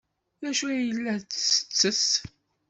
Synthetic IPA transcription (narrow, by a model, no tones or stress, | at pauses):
ðæʃujəlːæt͡ssə̥t͡sːəs